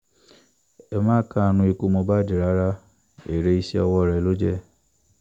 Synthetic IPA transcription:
e˦mãː˦ka˦˨nʊ̃˧˦i˧ku˦mo˧ba˦di˨ɾa˨˦ɾa˦ | e˨ɾe˦i˦si˦ɔ˧wɔ˦˨ɾɛ˨lo˦d͡ʒe˦

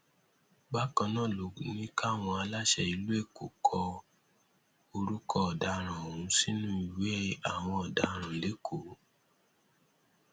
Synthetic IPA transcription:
ba˦kã˧nãː˦˨lo˨nĩ˦ka˦˨w̃ɔ̃˧a˧la˦ʃɛ˦i˧lu˦e˦˨ko̰˨kʰɔ˧ | o˧ɾu˦kɔ˦ɔ˨da˧ɾ̃ã˨o˨ũ˨˦si˦nũ˦i˨we˦a˦˨w̃ɔ̃˧ɔ˨da˧˦˧ɾ̃ã˨le˨˦kʰo˨˦

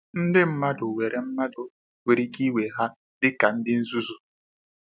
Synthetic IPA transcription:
n̩˦dɪ˦m̩˦ma˦dʊ˨we˨ɾʔe˨m̩˦ma˦dʊ˨ | wʷe˨ɾi˦ɡi˦we˨ɦa˦ | dɪ˦ka˨n̩˦dɪ˦n̩˦zu˦zu˨

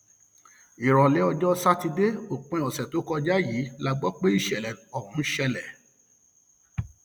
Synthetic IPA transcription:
i˨ɾɔ˨lɛ˨˦ɔ˧d͡ʒɔ˦sa˦ti˧de˦o˦˨k͡pɛ̃˨˧ɔ˨sɛ˨to˨˦kɔ˧d͡ʒa˦jiː˨˦la˦˧ɡ͡bɔ˦k͡pe˦i˦˨ʃɛ˨lɛ˨ɔ˨hũ˨˦ʃɛ˧lɛ˨

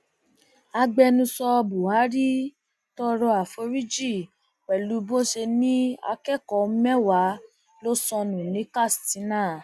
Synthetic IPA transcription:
a˧ɡ͡bɛ˧nũ˧sɔ˧bu˨a˨˦ɾi˦ | tɔ˧ɾɔ˧a˨fo˧˦ɾi˦d͡ʒi˦˨ | k͡pɛ˨lu˨˦bo˦ʃe˧nĩ˦a̰˧kɛ˦˨kɔ˧˦mɛ˦wa˨˦ | lo˦sɔ̃˧nũ˨nĩ˨˦ka˦˨stĩ˨˦nãː˦˨

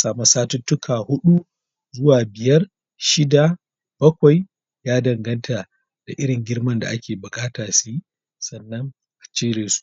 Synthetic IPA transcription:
saː˨ma˦saː˦tʊ˦tːʊ˦kʰaː˨hʊ˦ɗu˦ | zʊ˦waː˨bɪ˨jɐ˦r | ʃɪ˦da˨ | b̥ɐ˦kʷa˨j | jaː˦dɐ˨ŋɡɐ˦ntʰa˨ | d̥a̰˨ʔɪ˦ɽɪ˨ŋɡʲɪ˦rmɐ˦nda̰˨ʔa˦kʲeː˨bʊ˨kʼaː˦taː˨siː˦ | sɐ˨nːɐ˦ŋ | ʔa˨t͡ʃeː˦ɽeː˨su̥˦˨ʔ

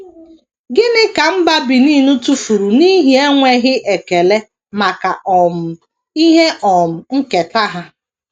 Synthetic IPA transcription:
ɡɪ˦nɪ˦ka˨m̩˦ba˦bi˨niː˦nu˦tu˦fu˨ɾu˨ni˦ɦi˨e˦ŋʷe˦ɦɪ˦ʔe˨ke˨le˦ | ma˨ka˨ʔɔ˨m̩˨ | i˦ɦe˦ʔɔ˨m̩˨ŋ̩˦ke˨ta˦ɦa˦

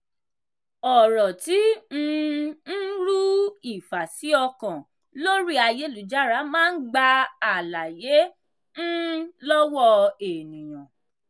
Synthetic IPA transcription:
ɔ˨ɾɔ˨ti˨˦ñ̩˦˧n̩˦ɾu˦i˦˨fa˨si˨˦ɔ˧kã˨ | lo˦ɾi˦a˧je˦lu˨d͡ʒa˦ɾa˨˦mãː˦n̩˦ɡ͡ba˧a˨la˨je˨˦ | n̩˦lɔ˦wɔ˦˧e˨nĩ˨j̃ã˨

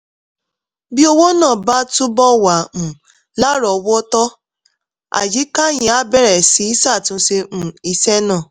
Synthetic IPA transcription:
bi˦o˧wo˦nãː˦˨ba˦tu˦bɔ˦wa˨mũ˨ | la˦ɾɔ˨˧wɔ˦tɔ˦ | a̰˨d͡ʒi˨˦ka˦jĩ˨a˨˦bɛ˦˨ɾɛ˨si˨˦i˦sa˦˨tũ˧se˧m̩̃˨i˧sɛ˦nãː˦˨

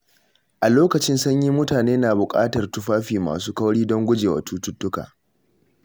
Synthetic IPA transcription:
ʔa˨loː˦kɐ˨t͡ʃɪ˦nsʊ˦ɲji˦mʊ˦taː˨neː˦naː˨bʊ˨kʼa̰ː˦tɐ˨rtʊ˦ɸaː˦ɸiː˨ma̰ː˨suː˦kɐ˦wɽiː˦dɔ˦ŋɡʷʊ˦d͡ʒeː˨wa̰˨tuː˦tʊ˦tːʊ˦ka̰ː˨

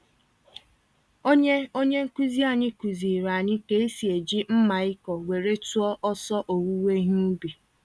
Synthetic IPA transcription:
o˦ɲe˦o˦ɲe˦ŋ̩˦ku˦zi˦a˨ɲɪ˦ku˨zi˨ɾa˨ɲɪ˦ke˦e˦si˨e˨d͡ʒi˦m̩˦ma˨ɪ˦kɔ˨we˨ɾe˦tu˦ɔ˦ʔɔ˦sɔ˦ʔo˨wu˦we˦ɦu˦bi˨

